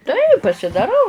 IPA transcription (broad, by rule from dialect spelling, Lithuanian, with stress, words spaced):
tɐɪ pɐsʲɪdɐˈrɐʊ